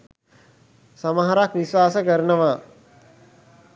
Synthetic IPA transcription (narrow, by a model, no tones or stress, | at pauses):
samaɦaɾakʋiʃʋaːsəkəɾnəʋa